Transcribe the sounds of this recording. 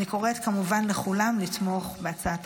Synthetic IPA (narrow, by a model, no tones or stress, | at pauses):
iko̞ʁet̪kamuvanleχulamlit̪mo̞χbeat͡saat